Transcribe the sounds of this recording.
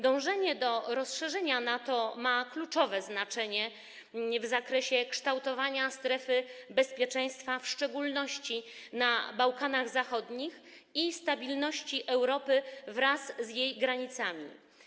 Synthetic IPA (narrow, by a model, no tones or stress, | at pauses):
d̪ɔ̃w̃ʐɛɲɛd̪ɔɾɔsʂɛʐɛɲanat̪ɔmaklut͡ʂɔvɛznat͡ʂɛɲɛ | vzakɾɛɕɛkʂt̪awt̪ɔvaɲast̪ɾɛfɘbɛspʲjɛt͡ʂɛ̃j̃st̪fafʂt͡ʂɛɡulnɔɕt͡ɕi | nabawkanaɣzaxɔd̪ɲix | ist̪abʲilnɔɕt͡ɕiʔɛwɾɔpɘvɾaszjejɡɾaɲit̪samʲḭ